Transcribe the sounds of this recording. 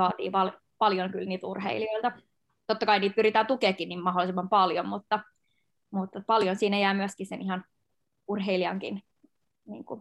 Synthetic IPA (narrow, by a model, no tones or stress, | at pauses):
ɑːt̪ḭːpɑl | pɑljoŋkylniːt̪ṵrhḛilioilt̪ɑ | t̪ot̪ːɑkɑiniːt̪̚pyrit̪æːnt̪ukeːkːiniːmɑɦolːˑisemːɑmpɑljommut̪ːɑ | mut̪ːɑpɑljonsiːnæjæːmyæskisenihɑn | urɦeiliɑŋkḭn | nḭːŋku